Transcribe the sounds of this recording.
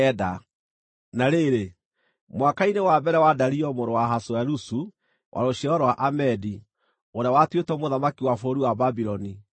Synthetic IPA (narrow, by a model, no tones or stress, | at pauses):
ɛda | naɾeɾe | mwakainewabɛɾɛwadaɾiɔmoɾowaɦasoaɾusu | wʔa̰ɾoɕɛɔɾwaʔamɛdi | oɾeawatwetɔmoðamakiwafoɾiwababiɾɔni